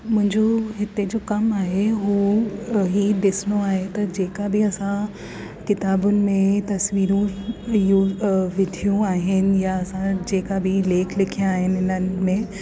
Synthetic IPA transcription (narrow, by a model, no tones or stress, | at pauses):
mʊ̃ɦɪ̃ɲd͡ʑoɦɪt̪ed͡ʑoːkɐmaːɦeɦuːɦiɗɪsɪnoaːɦet̪ɐd͡ʑeːkabɪɐsã | kɪt̪aːbʊnɪ̆mẽt̪ɐsʋiːɾũjuːʋɪdʱijũaːɦɪnɪ̆jaɐsãd͡ʑeːkabɪleːkʰlɪkʰijaaːɦɪnɪɪnənɪ̆mẽ